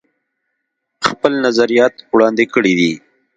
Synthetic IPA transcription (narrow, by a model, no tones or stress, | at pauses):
xpəlnazaɾijɑt̪wɽɑnd̪ekəɽid̪i